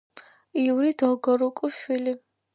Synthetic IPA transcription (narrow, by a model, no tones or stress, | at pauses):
iuɾid̪ɔɡɔɾukʼuʃili